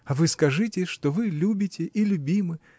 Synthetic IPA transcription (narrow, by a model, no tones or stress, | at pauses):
ɐvɨskɐʐɨtʲɪʂt̪ovɨlʲubʲɪtʲɪʔilʲʊbʲimɨ